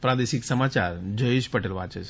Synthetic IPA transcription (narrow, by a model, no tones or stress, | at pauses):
pɾad̪eʃiksəmat͡ʃaɾd͡ʒəeʃpəʈelʋat͡ʃee